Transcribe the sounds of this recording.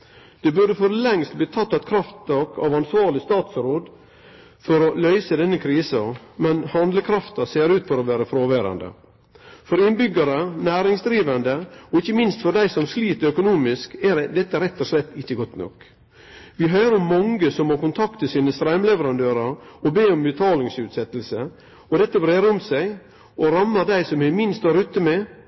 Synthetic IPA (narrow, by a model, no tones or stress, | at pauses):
d̪̥ɛbʉɖəfɔɾlɛŋst̪̚bliːt̪ʰɑt̪ːɑt̪̚kʰɾɑft̪ɔkʰɑʋɑnsʋɑːɾɭɪst̪ɑːt̪sɾoːd̪ | fɔɾɔlœʏsəd̪ɛnːəkʰɾiːsɑmɛnhɑnd̪ləkʰɾɑft̪ɑseːɾʉːt̪fɔɾɔʋæːɾəfɾoːʋæːɾɑ̰nd̪ə̰ | fɔɾɪnbʏɡɑɾənæːɾɪŋsd̪ɾiːʋɑnd̪əɔɪçːəmɪnst̪fɔd̪æɪsɔmsliːt̪œkʊnuːmɪskæɾd̪ɛt̪ːəɾɛt̪ːɔʂlɛt̪ːɪçːəɡɔt̪nɔ̰k | ʋɪɦœːɾəɔmːɑŋɡəsɔmːoːkʊnt̪ʰɑkt̪əsiːnəst̪ɾæɪmlɛʋəɾɑnd̪øːɾəɾɔbeːɔmbət̪ʰɑːlɪŋsʉːt̪sɛt̪ːəl̩sə | ɔd̪ɛt̪ːəbɾeːɾəɔmsæɪ | ɔɾɑmːəd̪æɪsɔmɪmɪnst̪ʋɑɾʉt̪ːəmɛ